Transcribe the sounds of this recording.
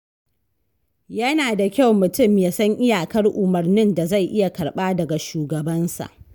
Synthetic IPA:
jɐ˦naː˨da˨kʲa˦wmʊ˨tʊ˦˨mjaː˦sɐ˦ŋʔɪ˦jaː˨kɐ˦rʔʊ˨mɐ˨rnɪ˦nda˨za˦˨jʔɪ˦ja˨kɐ˨ɽɓaː˦dɐ˨ɡa˨ʃuː˨ɡɐ˨bɐ˦nsa̰˨ʔ

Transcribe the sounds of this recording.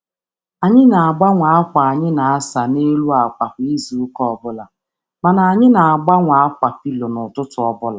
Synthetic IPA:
a˨ɲɪ˦na˨a˨ɡ͡ba˦ŋʷa˨a˦kʷa˨a˨ɲɪ˦na˨a˦sa˨ne˦lu˦a˨kʷa˨ki˦zi˨ʊ˦kɔ˦ɔ˨bʊ˦la˨ | ma˨na˨a˨ɲɪ˦na˨a˨ɡ͡ba˦ŋʷa˨a˦kʷa˨pi˦lo˨nʊ˨tʊ˦tʊ˨ɔ˦bʊ˦la˨

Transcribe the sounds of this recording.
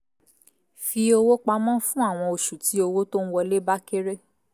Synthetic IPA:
fi˧o˧wo˦k͡pa˧mã˦fũ˦a˦˨w̃ɔ̃˧o˨ʃu˨ti˨˦o˧wo˦to˦n̩˦wɔ˧le˦ba˦ke˦ɾe˦

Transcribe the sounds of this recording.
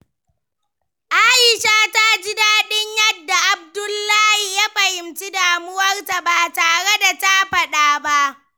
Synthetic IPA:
ʔaː˦jɪ˨ʃaː˦ta˦d͡ʒɪ˦daː˦ɗɪ˦ɲjɐ˦dːa˨ʔa˨b̚dʊ˦lːaː˦hi˨ja˦ɸɐ˨hɪ˨mt͡ʃi˦daː˨mʊ˦wɐ˦rta˨baː˨taː˨ɽe˦da˨ta˦ɸɐ˦ɗaː˦ba˦ʔ

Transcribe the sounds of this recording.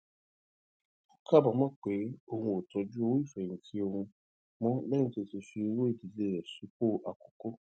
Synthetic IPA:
kʰa˦˨bɔ˨mɔ̃˦k͡pe˨˦o˧hũ˧o˨tɔ˧d͡ʒu˦o˧wi˦˨fɛ̃˨ĩ˨ti˦o˧hũ˧ | mɔ̃˦bɛ˦nĩ˦to˧ti˧fi˧wo˦e˦˨di˨le˦˨ɾɛ˨su˨˦k͡po˦˨ʔa˨ko̥˨ko˦

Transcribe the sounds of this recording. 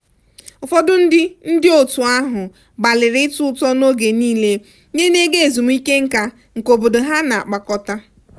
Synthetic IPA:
ʊ˨fɔ˦dʊ˦n̩˦dɪ˦n̩˦dɪ˦o˨tu˨a˦ɦʊ˨ | ba˨lɪ˨ɾɪ˦tʊ˦ʊ˦tɔ˦no˦ɡe˨niː˦le˦ | ɲe˦ne˦ɡe˦e˨zu˨m̩˦i˦ke˦ŋ̩˦ka˦ | ŋ̩˨ko˨bo˨dʊ˨ɦa˦na˨a̰˨k͡pa˨kɔ˦ta˦

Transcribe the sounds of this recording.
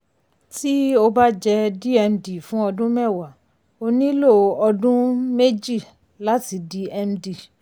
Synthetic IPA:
ti˦o˧ba˦d͡ʒɛ˧di˦ɛ˧mdi˨fũ˨˦ɔ˧dũ˦mɛ˦˨wa˨ | o˧nĩ˦lo˦˨ɔ˧dũ˦me˦d͡ʒi˦˨ | la˨˦ti˧˦di˨˦ɛ˧mdi˨

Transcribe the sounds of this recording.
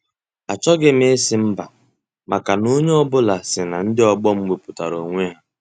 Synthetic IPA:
a˨t͡ʃɔ˦ɡɪ˦m˦e˦e˦sɪ˦m̩˦ba˨ | ma˨ka˨no˦ɲe˦ɔ˦bʊ˦la˨sɪ˨na˨n̩˦dɪ˦ɔ˨ɡ͡bɔ˦m̩˦ɡ͡bʷe˨pʊ˨ta̰˨ɾo˨ŋʷe˦ɦa˦

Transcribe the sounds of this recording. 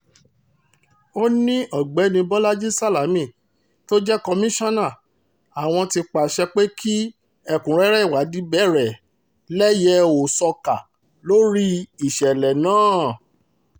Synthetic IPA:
o˦nĩ˦ʔɔ˨ɡ͡bɛ˨˦nĩ˧bɔ˦la˦d͡ʒi˦sa˦la˨˦mĩ˦˨ | to˦d͡ʒɛ˦kɔ˧mĩ˦ʃɔ̃˦nã˦˨ | a˨w̃ɔ̃˧ti˧k͡pa˨ʃɛ˧k͡pe˦kʰi˦ | ɛ˦˨kũ˨ɾɛ˦ɾɛ˦i˦˨wa˨˦di˨˦bɛ˦˨ɾɛ˨ | lɛ˦jɛ˧o˨sɔ˧ka˨ | lo˦ɾi˦i˦˨ʃɛ˨lɛ˨nãː˦˨

